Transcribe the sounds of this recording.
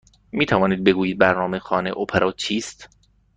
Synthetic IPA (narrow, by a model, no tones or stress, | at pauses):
miːt̪ʰævɒːniːd̪̚be̞ɡuːjiːd̪̚bæɾnɒːmexɒːneʔopʰeɾʔɒːt͡ʃʰiːst̪